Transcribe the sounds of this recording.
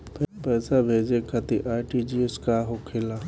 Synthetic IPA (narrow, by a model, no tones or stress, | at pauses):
pɛpɛːsabʱeːd͡ʒekʰɐt̪iʔaːʈid͡ʒieskaɦokʰelaː